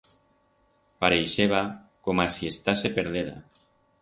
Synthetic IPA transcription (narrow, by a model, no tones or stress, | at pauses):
paɾejʃeβa | komasiest̪asepeɾðeða̰